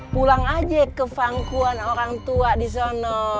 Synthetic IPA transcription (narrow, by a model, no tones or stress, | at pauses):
pulaŋad͡ʒakəfaŋkuanoɾaŋt̪uadis̬anɔ